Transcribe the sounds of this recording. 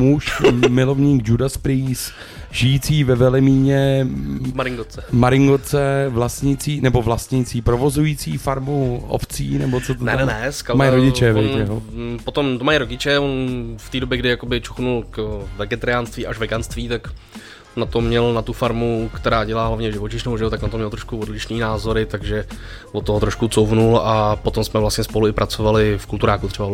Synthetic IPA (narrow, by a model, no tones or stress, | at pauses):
muʃmɪlo̞vɲiːɡd͡ʒudaspɾiːs | ʒɪjiːt͡siːvɛvɛlɛmiːɲɛ | maɾɪŋɡot͡sɛmaɾɪŋɡot͡sɛvlast̪ɲɪt͡siːnɛbo̞vlast̪ɲit͡siːpɾovo̞zujiːt͡siːfaɾmuʔo̰ft͡siːnɛbot͡sot̪onɛɛnɛskamajjɾoɟɪt͡ʃɛvɛjt̪ɛɦopot̪omt̪omajɾoɟɪt͡ʃɛonft̪iːdobjɛɡdɪjakobɪt͡ʃuxnulkvɛɡɛt̪aɾɪjaːnst̪viːʔaʃvɛɡanst̪viːt̪ak | nat̪omɲɛlnat̪ufaɾmukt̪ɛɾaːɟɛlaːɦlavɲɛʒɪvot͡ʃɪʃnooʒɛot̪aknat̪omɲɛlt̪ɾoʃkuodlɪʃniːnaːzo̞ɾɪt̪aɡʒɛvot̪ːoɦot̪ɾoʃkut͡sowvnulapot̪omsmɛvlast̪ɲɛspo̞luɪpɾʔat͡so̞valɪfkult̪uɾaːkut̪rɛba